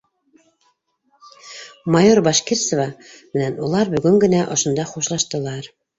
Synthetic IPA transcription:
mɑjoɾbɑʃkiɾsŏvɑmɘ̆nænulˠɑɾbɵ̆ɡɵŋɡɘ̆næʔŏʃŏnd̪ɑχuʃlˠɑʃt̪ɤ̆lˠɑɾ

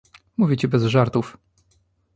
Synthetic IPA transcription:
muvʲit͡ɕɛbɛzʐaɾt̪uf

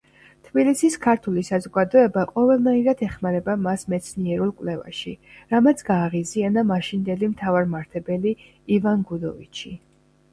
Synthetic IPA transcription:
t̪ʰb̥ilisiskʰaɾt̪ʰulisazɔɡad̪ɔɛbaqʼɔvɛlˠnaiɾad̪ʰɛχmaɾɛbamasmɛt̪sʰniɛɾulˠkʼwlɛva̰ʃiɾamat̪sʰɡ̥aːʁizianamaʃind̪ɛlimt̪ʰavaɾmaɾt̪ʰɛbɛli | ivanɡud̪ɔvḭt͡ʃʰi

